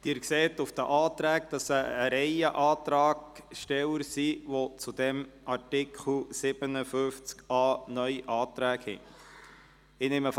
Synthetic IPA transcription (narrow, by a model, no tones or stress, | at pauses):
d̪̥ɪːɾkseːt̪ʊfd̥̪əʔɑːt̪ɾæːkd̥ɑsəːɾɛɪəʔɑːt̪ɾɑːɡʃtɛwəɾsiʋot͡sud̪ɛmɑɾtɪkʰχl̩sɪb̥ənəfʏft͡skɑːnœʏiʔɑːt̪ɾæːkhɛ̰ | ɪnɪməf